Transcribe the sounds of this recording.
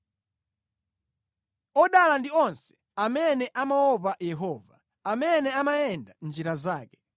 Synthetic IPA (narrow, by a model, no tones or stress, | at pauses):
ɔɗalandiɔnsɛ̥ | amɛnɛʔamawɔpajɛɦɔːva | amɛnɛamajɛndand͡ʒiɾazaːkɛ̥